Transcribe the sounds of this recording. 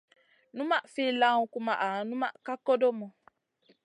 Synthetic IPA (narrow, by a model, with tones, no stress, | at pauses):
nũ˦mã˦fi˦lã˦ŋũ˦ku˦mã˨ʔa˨nũ˦ma̰˦ka˦ko˦do˦mɔ̃˨